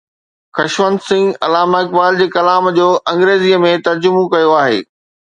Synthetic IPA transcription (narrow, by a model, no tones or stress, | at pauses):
xɐʃʋənd̪sɪ̃ŋɡɐ̰laːmaɪkbaːld͡ʑeːkɐlaːmd͡ʑoːʔɐ̃ŋɡɾeːziːəmẽt̪ɐɾd͡ʑʊmokɐjoaːɦḛː